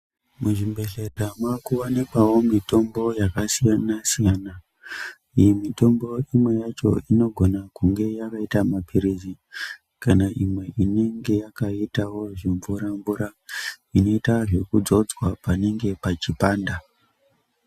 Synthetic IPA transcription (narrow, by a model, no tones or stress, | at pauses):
muʐimbe̞ɮedʱamwakuonikwawo̞mito̞mbo̞jakasijanasijana | ijemito̞mbo̞imwe̞jat͡ʃo̞̰ino̞ɡʱo̞nakuŋɡe̞jakaitamapiɾizi | kanaʔimwe̞ʔine̞ŋɡe̞jakaitawo̞ʐiɱvuɾaɱuɾa | ino̞itaʐe̞kud͡zo̞d͡zwapane̞ŋɡe̞pat͡ʃipaːnda